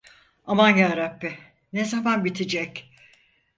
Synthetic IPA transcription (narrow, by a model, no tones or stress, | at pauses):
amanjaːɾapːɪ | ne̞zamanbit̪ʰid͡ʒɛc